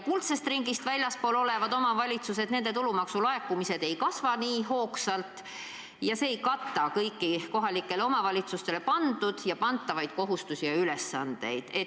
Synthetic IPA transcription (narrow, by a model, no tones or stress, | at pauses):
kult̪se̞st̪riŋɡist̪vælʲjɑspo̞ːlo̞le̞vɑd̪o̞mɑvɑlʲit̪sus̬e̞t̪ne̞nd̪e̞t̪ulumɑksulɑe̞kːˑumise̞d̪̥e̞jkɑsvɑniːɦo̞ːksɑlt̪ˑ | jɑse̞ːjkɑt̪ːˑɑkɤjkːˑiko̞ɦɑlikːˑe̞leo̞mɑvɑlʲit̪sust̪e̞le̞pɑnd̪̥ud̪̥jɑpɑnt̪ːɑvɑjd̪̥̚ko̞ɦust̪usijɑyle̞sːɑnd̪̥e̞̰jd̪̥e̞